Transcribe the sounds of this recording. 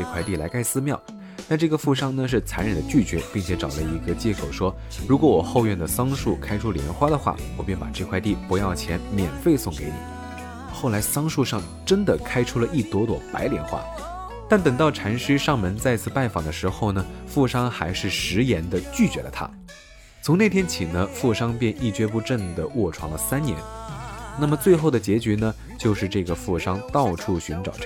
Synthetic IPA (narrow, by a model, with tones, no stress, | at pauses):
ʈ͡ʂɤ˥˧kʰwa˥˧ɪt̪i˥˩la˧˥ka˥ɪsɹ̩˥mjɑ˥˩ʊ | t̪a˥˧nʈ͡ʂɤ˥˩ɡə˩fu˥˩ʂɑ˥ŋnə˨ʂ̬ɻ̩˥˩t͡sʰa˧˥nɻə˨˩d̪ə˦t͡ɕy˥˩t͡ɕɥɛ˧˥pi˥˩ŋt͡ɕʰjɛ˧˥ʈ͡ʂɑ˨˩ʊlə˦i˧˥ɡə˧t͡ɕjɛ˥˩kʰo˨˩ʊʂwɔ˥ | ɻu˧˥kwɔ˧˥wɔ˨˩xo˥˧ʊɥɛ˥˩nd̪ə˩sɑ˥ŋʂu˥˩kʰa˥ɪʈ͡ʂʰu˥ljɛ̰˧˥nxwa˥d̪ə˨xwa̰˥˩wɔ˨˩pjɛ˥˩npa̰˨˩ʈ͡ʂɤ˥˧kʰwa˥˧ɪt̪i˥˩pu˧˥jɑ˥˩ʊt͡ɕʰjɛ˧˥nmjɛ˨˩nfe˥˧ɪsʊ˥˩ŋke˧˥ɪni˨˩˦ | xo˥˩ʊla˧˥ɪsɑ˥ŋʂu˥˧ʂɑ˥˩ŋ | ʈ͡ʂə˥nd̪ə˨kʰa˥ɪʈ͡ʂʰu˥lə˨ʔi˥˩t̪wɔ˧˥t̪wɔ˨˩pa̰˧˥ɪljɛ˧˥nxwa̰˥ | t̪a˥˩nt̪ə˨˩ŋt̪ɑ˥˩ʊʈ͡ʂʰa˧˥nʂɻ̩˥ʂɑ˥˩ŋmə˧˥nt͡sa˥˧ɪt͡sʰɹ̩˥˧pa˥˩nfɑ̰˨˩ŋd̪ə˦ʂɻ̩˧˥xo˥˩ʊnə˩fu˥˩ʂɑ˥ŋxa˧˥ɪʂɻ̩˥˩ʂɻ̩˧˥jɛ˧˥nd̪ə˧t͡ɕy˥˩t͡ɕɥɛ˧˥lə̰˧t̪ʰa̰˥ | t͡sʰʊ˧˥ŋne˥˩ɪt̪ʰjɛ˥nt͡ɕʰi˨˩nə˦fu˥˩ʂɑ˥ŋpjɛ˥˧nʔi˥˩t͡ɕɥɛ˥p̬u˥˧ʈ͡ʂə˥˩nd̪ə˩wɔ˥˩ʈ͡ʂʰwɑ˧˥ŋlə˧sa˥nnjɛ̰˧˥nna˥˩mə˩t͡swe˥˧ɪxo˥˩ʊd̪ə˩t͡ɕjɛ˧˥t͡ɕy˧˥nə˧ | t͡ɕjo˥˧ʊʂɻ̩˥˧ʈ͡ʂɤ˥˩ɡə˩fu˥˩ʂɑ˥ŋt̪ɑ˥˧ʊʈ͡ʂʰu˥˩ɕy˧˥nʈ͡ʂɑ˨˩ʊʈ͡ʂ